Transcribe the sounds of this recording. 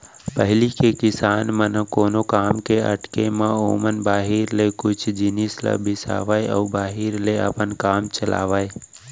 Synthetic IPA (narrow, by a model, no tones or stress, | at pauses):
pəɦɪlikekɪsaːnmənkoːnokaːmkeəʈkemão̰ːmənbaːɦiɾlekʊt͡ʃʰd͡ʒɪnislə̰bɪsa̰ːʋaːeɔːbaːɦiɾleə̰pənkaːmt͡ʃəla̰ːʋaːe